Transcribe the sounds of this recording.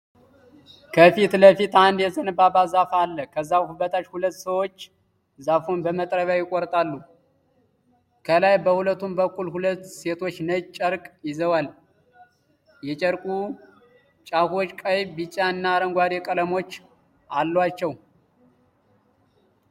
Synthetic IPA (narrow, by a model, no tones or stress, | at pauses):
kʰəfit̪ləfit̪and̪jɛzənbabazafalːəkʰəzːaβhubət̪ʰʼat͡ʃhulət̪ːsəwo̞t͡ʃː | zafunbəmət̪ʼɾəβjajɪkʼːɔɾt̪ʼalːu | kʰəlajbəhulət̪ːumbəkːulhulət̪ːse̞t̪ʰo̞t͡ʃːnəjt͡ʃʼəɾkʼjɪzəwal | jɛt͡ʃʼəɾkʼu | t͡ʃʼaho̞t͡ʃːkʼəjbit͡ʃʼaɨnːaːɾəŋɡʷaɾjɛkʼələmo̞t͡ʃː | ʔalːwat͡ʃːɛw